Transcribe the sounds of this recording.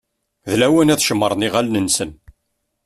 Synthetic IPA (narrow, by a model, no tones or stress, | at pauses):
ðlæwænæθʃəmːəɾˤniʁælnənsən